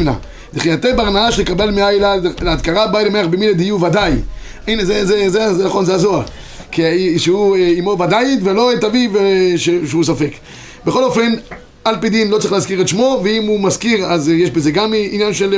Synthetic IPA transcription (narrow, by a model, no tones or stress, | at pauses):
mna̰ | d̪iχijat̪ebaʁnaaʃelekabe̞lmeajlaleat̪kaʁabajlemeaχbemiled̪ijuvad̪aj | inezezezezenaχonzeazoa | kiʃehueimo̞vad̪ajit̪velo̞et̪avivʃeʃeusafek | beχo̞lo̞fe̞n | alpid̪imlot͡saʁiχleazkiʁet̪ʃmo̞veimumazkiʁazjeʃbezeɡaminjanʃel